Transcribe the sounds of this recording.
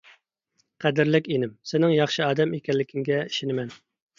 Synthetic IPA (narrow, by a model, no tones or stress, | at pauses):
qʰæd̪ɪɾlɪkʲinɪmsɪnɪŋjɑχʃɨɑːd̪ɛmekʲɛlːɪkʲʰɪŋɡʲɛi̥ʃinɪmɛn